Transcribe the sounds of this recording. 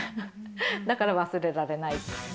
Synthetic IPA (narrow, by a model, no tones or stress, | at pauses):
d̪akaɾaβasɨɾe̞ɾaɾe̞nai